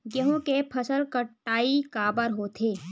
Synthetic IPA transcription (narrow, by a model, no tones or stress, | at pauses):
ɡeɦõkepʰɐsəlkəʈːaːikaːbəɾɦoːt̪ʰeː